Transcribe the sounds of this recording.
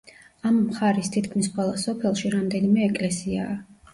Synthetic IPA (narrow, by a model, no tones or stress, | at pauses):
amːχaɾist̪ʰit̪ʰkʰmisχwɛlˠasɔpʰɛlˠʃiɾamd̪ɛnimɛːkʼlɛsia̰ː